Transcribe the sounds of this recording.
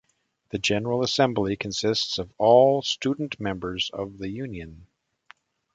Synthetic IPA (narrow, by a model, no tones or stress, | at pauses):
ðɨd͡ʒɛnə˞l̩ˠəsɛ̃mblikʰɨ̃nsɪstsʌvɔlˠstudⁿn̩ʔmɛ̃mbə˞zʌ̰vðɨjʉ̃njɨ̃n